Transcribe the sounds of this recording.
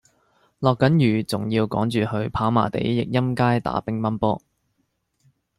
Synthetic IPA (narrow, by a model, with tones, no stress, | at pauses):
lɔː˨kːɐ˨˥njyː˨˩t͡sʊ˨˩ŋjiː˧wkɔː˨˥ŋt͡ʃyː˨hɵ˧ɥpʰaː˨˥wma̰ː˨˩t̪ḛ˨˥jːɪ˨k̚jɐ˥mkaː˥jt̪a̰ː˨˥pɪ˥ŋmɐ˥npɔː˥